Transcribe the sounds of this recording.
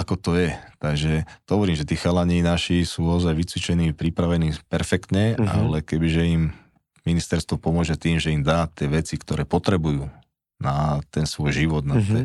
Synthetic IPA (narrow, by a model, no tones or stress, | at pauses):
akɔt̪ɔjɛt̪aɡʒɛɦɔʋɔɾiːmʒɛt̪iːxalaɲinaʃisuːaɔzajʋit͡sʋit͡ʃɛniːpɾipɾaʋɛniːpɛɾfɛkt̪ɲɛa̰lɛkɛbiʒɛim | minist̪ɛɾst̪ʋɔpɔmʊɔʒɛt̪iːmʒɛimd̪aːt̪ɪɛʋɛt͡sikt̪ɔɾɛːpɔt̪ɾɛbujuː | nat̪ɛnsʋɔjʒiʋɔd̪̚nat̪ɛ